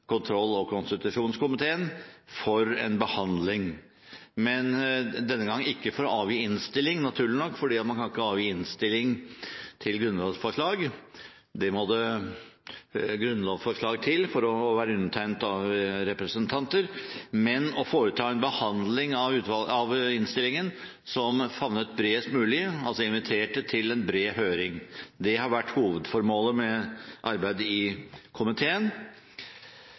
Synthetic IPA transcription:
kʊnt̪ʰɾɔlːɔkʰʊnst̪ɪt̪ʉʂuːnskʊmɪt̪ʰeːənfɔɾɛnbəhɑnd̪lɪŋ | mɛnd̪ɛnːəɡɑŋːɪkːəfɔɾɔɑːʋjiːɪnst̪ɪlːɪŋnɑt̪ʰʉːɭɪnɔkːfɔɖiːɑt̪mɑnkʰɑnɪkːəɑːʋjiːɪnst̪ɪlːɪŋt̪ʰɪlɡɾʉnlɑːfɔʂɭɑːɡ | d̪ɛmɔd̪ə | ɡɾʉnːlɑːʋfɔʂɭɑːɡ̚t̪ʰɪlfɔɾɔʋæːɾəʉnət̪ʰæɪnt̪ɑʋɾɛpɾəsənt̪ʰɑnt̪əɾmɛnɔfoːɾət̪ʰɑːɛnbəhɑnd̪lɪŋɑʉːt̪ʋɑɑʋɪnst̪ɪlːɪŋən | sɔmfɑʋnət̪̚bɾeːst̪mʉːlɪɑlsɔɪnʋɪt̪ʰeːʈət̪ʰɪlɛnbɾeːhøːɾɪŋd̪ɛhɑɾʋæʈːhuːʋəd̪fɔɾmoːləmɛʔɑɾbæɪd̪əɪkʰʊmɪt̪ʰeːən

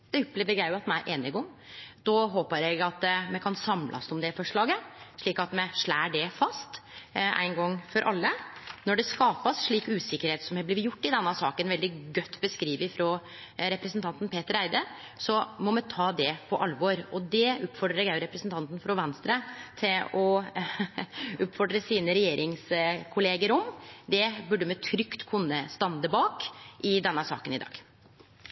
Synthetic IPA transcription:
d̪̥ɛʊpleːʋəɾjæɪʊɑt̪mɛæɾʔeːnɪɡɔm | d̪̥ɔɦoːpəɾɛɡɑt̪mɛkʰɑnsɑmlʔɑ̰sɔmd̪ɛfɔʂɭɑːɡəʂɭiːkɑt̪mɛʂɭæːɖɛfɑst̪ʔæ̰ɪnɡɔŋːfɔɾʔɑ̰lːənɔɖɛskɑːpɑsʂɭiːkʉːsɪkːəɾheːt̪sɔmɛblɪːʋjʊʈːɪd̪ɛnːɑsɑːkənʋɛld̪ɪɡœt̪ːbəskɾiːʋəfɾoː | ɾɛpɾəsnt̪ʰɑnt̪n̩pʰeːt̪əɾæɪd̪ə | sɔmɔmɛt̪ʰɑːd̪ɛpʰɔʔɑlʋɔɾɔd̪ɛʉːpfɔɖɾəɾɛɡæɾɛpɾəsnt̪ɑnt̪n̩fɾɔʋɛnst̪ɾət̪ʰɪlɔ | ʉpfɔɖɾəsiːnəɾɛjeːɾʔɪŋskʰʊleːɡəɾɔmd̪ɛbʉɖːəmɛt̪ʰɾʏkt̪kʰʊnːəst̪ɑnd̪əbɑːkʔɪd̪ɛnːəsɑ̰ːkənɪd̪ɑ̰ːɡ̥

